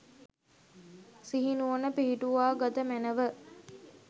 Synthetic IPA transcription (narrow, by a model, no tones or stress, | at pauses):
siɦinuonəpiɦiʈuʋaːɡat̪əmænəʋə